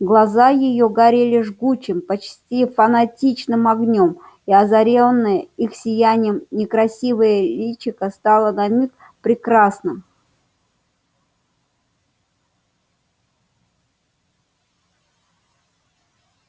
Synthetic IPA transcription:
ɡlˠɐzajɪjoɡɐɾʲelʲɪʐɡut͡ɕɪmpɐt͡ɕsʲtʲifɐnɐtʲit͡ɕnɨmɐɡnʲom | iɐzɐɾʲenːɨjəixsʲɪjænʲɪjəmnʲɪkɾɐsʲivɨjəlʲit͡ɕɪkəst̪alˠənɐmʲik | pɾʲɪkɾasnɨm

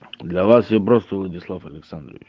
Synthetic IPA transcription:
d̪lʲavasjapɾost̪əvlˠədʲɪslˠafɐlʲɪksand̪ɾə̰vʲɪt͡ʃ

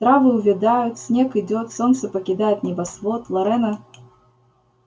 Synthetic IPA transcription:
t̪ɾavɨuvʲid̪ajut͡sʲsʲnʲɛkɨd͡zʲɔt̪sɔnt̪sɐpɐkʲid̪ajɛt̪nʲɛbasvˠɔt̪lˠɐɾɛnɐ

